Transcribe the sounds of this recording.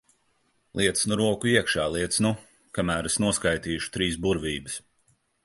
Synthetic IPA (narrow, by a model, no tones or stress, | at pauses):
lˠʔiɛt̪snuɾuɔkuiɛkʃaːlˠiɛt̪snu | kamæːɾɛsnuɔskajt̪iːʃu̥t̪ɾiːsbuɾviːbɨs